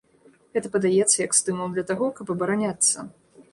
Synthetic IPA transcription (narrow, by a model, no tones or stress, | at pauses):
ɣɛt̪ɐpɐd̪ajɛt̪sːɐjɐkst̪ɨmɐd̪lʲɐt̪aɣɔkɐpɐbɐɾanʲat̪sːɐ̰